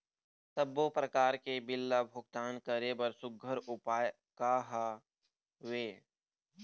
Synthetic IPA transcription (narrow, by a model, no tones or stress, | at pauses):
səbːopɾəkaːɾkebɪlːabʱʊk̚t̪aːnkəɾebəɾsʊɡʱəɾʊpaːj | kaːɦa | ʋeː